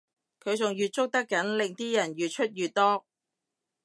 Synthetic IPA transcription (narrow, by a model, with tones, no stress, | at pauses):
kʰɵ˨˧ɥt͡sʊ˨ŋjyː˨t̚t͡sʊ˥k̚t̪ɐ˥kːɐ˨˥nlɪ˨ŋt̪iː˥jɐ˨˩njyː˨t̚t͡ʃʰɵ˥t̚jyː˨˧t̚t̪ɔː˥